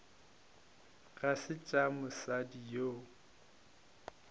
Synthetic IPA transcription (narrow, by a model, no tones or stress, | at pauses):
ɣasɪt͡ʃʼamʊsadijo